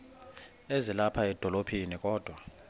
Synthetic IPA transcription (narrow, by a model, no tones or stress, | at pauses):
ezilapʰaɛd̥ʱɔlopʰinikʼɔːd̥ʱwa